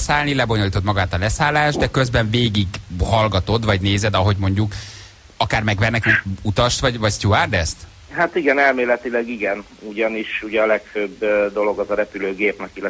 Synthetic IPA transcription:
saːlnilɛbo̞ɲo̞liːt̪omɒɡaːt̪ɒlɛsaːlːaːʒd̪ɛkø̞zbɛɱveːɡiɡhɒlɡɒt̪o̞d̪vɒɟneːzɛd̪ɒɦo̞ɟmo̞ɲɟuk | ɒkaːrmɛɡʋɛrnɛkɛut̪ɒʃt̪vɒɟvɒcst̪uaːrd̪ɛst̪ | hat̪iɡɛnɛlmeːlɛt̪ilɛɡiɡɛn | uɟɒniʃuɟɛɒlɛkføbd̪o̞lo̞ɡɒzɒɾɛpyløːɡeːpnɛkilɛ

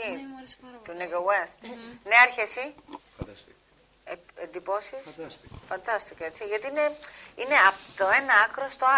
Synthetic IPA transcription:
i | t̪uneɡowest̪neɐɾçesi | end̪ipo̞sisfɐnd̪ɐst̪ikɐet͡siʝɐt̪iine̞ine̞ɐpt̪oe̞nɐɐkɾo̞st̪o̞ɐ

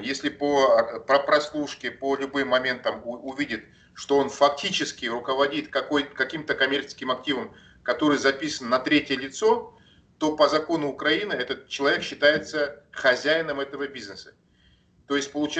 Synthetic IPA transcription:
jesʲlʲɪpəpəpɾɐslˠuʂkʲɪpəlʲʊbɨmːɐmʲe̞nt̪əmʊvʲidʲɪt̪ | ʂt̪o̞o̞nfɐk̚tʲit͡ɕɪskʲɪrʊkəvɐdʲit̪kɐkojkɐkʲimt̪əkɐmʲert͡ɕɪ̥skʲɪmɐk̚tʲivəm | kɐt̪o̞ɾɨjzɐpʲisənːɐt̪ɾʲetʲɪjəlʲɪt̪so̞ | t̪o̞pəzɐko̞nʊːkɾɐinɨɛt̪ət̪̚t͡ɕːɪlˠɐvʲekɕːɪt̪ajɪt̪səxɐzʲæjɪnəmɛt̪əvəbʲiznəsə̥ | t̪o̞jɪsʲt̚ʲpəlˠʊt͡ɕ

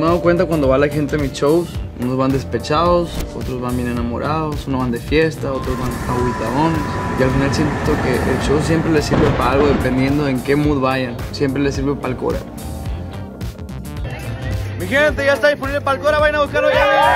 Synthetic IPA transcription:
eaðokwe̞nt̪̬akwand̪oβalaxe̞nt̪emit͡ʃowsṵnozβand̪espet͡ʃaðosot̪ɾo̞zβanbje̞nenamo̞̰ɾʔaðo̞sunozβand̪e̞fje̞st̪ao̞t̪ɾozβanawit̪aðo̞nesialfinalsje̞nt̪okeʔḛlt͡ʃowsje̞mpɾelesiɾβepaalɣo̞ðepe̞nd̪je̞nd̪oðeŋke̞muðβaʝansjempɾe̞le̞s̬iɾβepalko̞̰ɾa̰ | mixelent̪eʝaest̪aðisponiβlepalkoɾaβajanaβukaɾoja

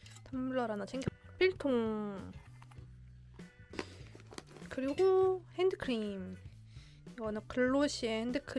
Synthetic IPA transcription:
tamːuɭːʌɾanat͡ɕʰeŋɡjʌp͈iɭtʰoŋ | kɯɾiɡohendɯkʰɯɾim | iɡʌnɯnkɯɭːoɕʰiehendɯkʰɯ

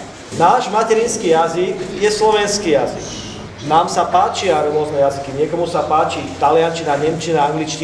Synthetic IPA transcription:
naːʒmacɛɾinskiːjazikjɛslɔʋɛnskiːjazḭk | naːmsapaːt͡ʃiaɾɔmɔznɛjazikiɲɪɛkɔmusapaːt͡ʃit̪alɪant͡ʃinaɲɛmt͡ʃinaaŋɡlit͡ʃci

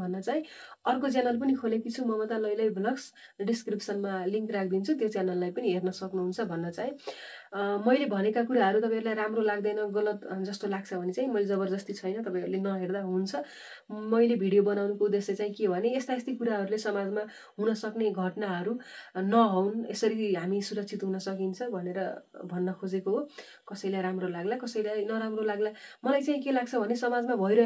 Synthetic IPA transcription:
bʱʌnːʌt͡saĩʌrkot͡sjanalp̬ʌnikʰolekit͡sʰumʌmʌt̪alʌjlʌjbʱlʌks | ɖiskripsʌnmaliŋkrak̚ʰd̪int͡sʰut̪jot͡sjanalːajpʌniɦernʌsʌknuɦunt͡sʰʌbʱʌnːʌt͡saĩ | mʌjlebʱʌnekakuɾaɦʌɾut̪ʌpaj̃ɾulajɾamrolaɡd̪ʌjnʌɡʌlʌt̪d͡zʌst̪olaɡ̚t͡sʰʌbʱʌnet͡saĩmʌjled͡zʌbʌrd̪ʌst̪it͡sʰʌjnʌt̪ʌpaĩʌɾulenʌɦerd̪aɦunt͡sʰʌ | mʌjlebʱiɽijobʌnawnukoud̪ːeslet͡saĩkebʱʌneest̪aest̪ʰikuɾaɦʌɾulesʌmad͡zma | ɦunʌsʌkneɡʱʌʈnaɦʌɾunʌɦʌwnesʌɾiɦamisuɾʌk̚t͡sʰit̪ɦunʌsʌk̬int͡sʰʌbʱʌneɾʌbʱʌnːʌkʰod͡zekoɦo | kʌsʌjlajɾamrolaɡlakʌsʌjlajnʌɾamrolaɡlamʌlajt͡saĩkelaɡ̚t͡sʰʌbʱʌnesʌmad͡zmabʱʌiɾʌ

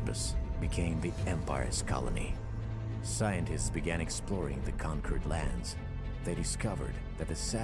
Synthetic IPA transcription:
pɨsb̥ɨkʰẽɪ̃mðiɛ̃mpa̰ɪɨ̰z̥kʰɑ̰lˠə̰nḭ | saɪɨ̃ntɨstsb̥ɨɡæ̃ñɨksplɔɹɪ̰̃ŋðɨkʰɑ̃ŋkʰə˞dˡlæ̃ndz̥ | ðeɪɾɨskʌvə̰˞d̪̚ðɨt̪̚ðɨsæ

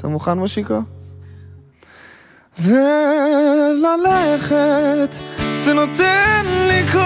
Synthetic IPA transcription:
t̪ʰa̰muχanmoʃiko | ve | lalɛχet̪zɛnot̪ɛnlik

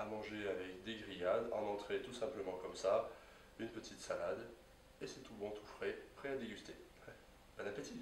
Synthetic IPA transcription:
amɑ̃ʒeavɛkd̪eɡʁijad̪ɑ̰̃nɑ̃t̪χet̪usɛ̃pləmɑ̃kɔmsa | ynpət̪ʰit̪salad̪ | esɛt̪ubɔ̃t̪ʰu̥fχɛpχɛad̪eɡʲyst̪e | banapət̪i

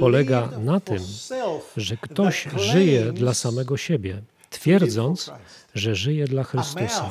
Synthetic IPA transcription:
pɔlɛɡanat̪ɘm | ʐɛkt̪ɔɕʐɘjɛd̪lasamɛɡɔɕɛbʲjɛ | t̪fʲjɛɾd̪zɔnt̪sʐɛʐɘjɛd̪laxɾɘst̪usa

